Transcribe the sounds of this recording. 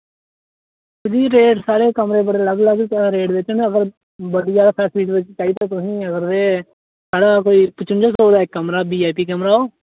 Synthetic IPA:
sɪd̪iːɾeːʈsaːɽeːkəmɾeːbəɽeːləɡləɡt̪ːɾeːʈʋɪt͡ʃnəɡəɾ | bəɖiːd͡ʒaːd̪aːpʰɛːsliːʈʋɪt͡ʃt͡ʃaːiːt̪ãːt̪ʊsĩːəɡəɾeː | saːɽaːkoːiːpət͡ʃʊnd͡ʒaːsoːd̪aːɪkːəmɾaːbiːaːpiːkəmɾaːoː

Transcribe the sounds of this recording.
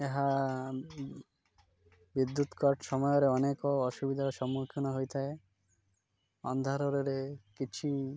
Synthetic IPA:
eɦa | bid̪ːut̪kɔʈsɔmɔjɔɾeɔnekɔːʃubid̪ʱaɾɔʃɔmːukʰinɔɦojt̪ʰae | ɔ̰nd̪ʱaɾɔɾeɾekit͡ʃʰi

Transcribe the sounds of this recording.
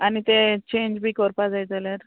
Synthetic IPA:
anit̪et͡ɕẽɲd͡ʑbʱiːkəɾpad͡zajd͡zəlaɾ

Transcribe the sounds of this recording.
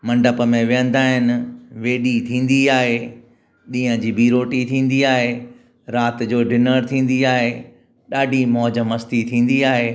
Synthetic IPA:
mɐ̃ɳɖəpəmẽʋijə̃nd̪aːɦɪnɪ̆ʋeːɗit̪ʰĩːn̆d̪iaːɦe | ɗĩːɦə̃d͡ʑiːbiːɾoːʈit̪ʰĩːn̆d̪iaːɦeː | ɾaːt̪d͡ʑoːɖɪnəɾt̪ʰĩːn̆d̪iaːɦe | ɗaːɖʱimɔːd͡ʑəmɐst̪it̪ʰĩːn̆d̪iaːɦeː

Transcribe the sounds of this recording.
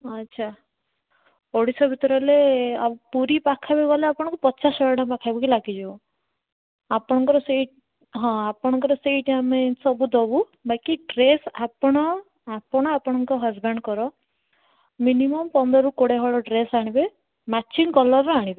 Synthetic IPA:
ɔtːʃʰa | oɽisɔbʱit̪ɔɾɔleapuɾipakʰabeɡɔleapɔɽ̃ɔŋkupɔt͡ʃasɔjɔɖapakʰajbɔkilaɡid͡ʒɔɔ | apɔɽ̃ɔŋkɔɾɔseʈ | ɦɔ̃apɔɽ̃ɔŋkɔɾɔsejʈamesɔbud̪ɔbu | bajkiʈɾesapɔɽ̃ɔ | apɔɽ̃ɔapɔɽ̃ɔŋkɔɦazbeɳɖkɔɾɔ | minimɔmpɔnd̪ɔɾukoɽeɦɔɭɔɖɾesaɽ̃ibe | mat͡ʃinkɔlɔɾːɔaɽ̃ibe

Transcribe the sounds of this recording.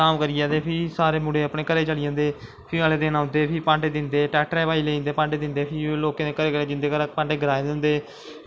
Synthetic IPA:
aːmkəɾijaːd̪eːpʰɪsaːɾeːmʊɽeːəpɳeːkəɾeːt͡ʃəɽɪjãːnd̪eː | pʰɪəleːd̪eːnãːʊ̃nd̪eːpʰɪpãːɳɖeːd̪ɪnd̪eːʈɛːʈɾɛːʋaːiːleːĩːnd̪eːpãːɳɖeːd̪ɪ̃nd̪eːpʰɪloːkãd̪eːkəɾeːkəɾeːd͡ʒ̪ɪnd̪eːkəɾpãːɳɖeːɡɾaːed̪ɪ̃nd̪eː

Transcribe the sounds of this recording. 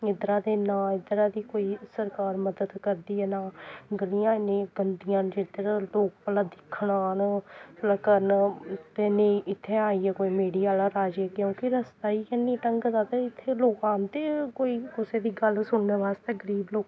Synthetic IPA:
ɪd̪ɾãːd̪eːnaːɪd̪ɾaːd̪iːkoːiːsəɾkaːɾməd̪əd̪kəɾd̪iːɛːnaːɡəlijãːnẽːɡənd̪ijãːnd͡ʒɪd̪ɾaloːk̚pəlaːd̪ɪkʰːɽaːnpəlaːkəɾnt̪eːneʔɪt̪ʰːeːaːiːɛkoːiːmeːɽiːaːlaːɾaːd͡ʒeːkjõːkiɾəst̪aːiːkɛniːʈəŋɡzaːt̪eːɪt̪ʰːeːloːkãːnt̪eːkoːiːkʊseːd̪iːɡəlsʊɳneːʋaːst̪eːɡəɾiːbloːk

